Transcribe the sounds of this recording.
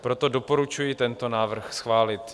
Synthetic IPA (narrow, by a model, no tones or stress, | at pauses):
pɾot̪odopoɾut͡ʃujɪt̪ɛnt̪onaːvr̩xsxvaːlɪt̪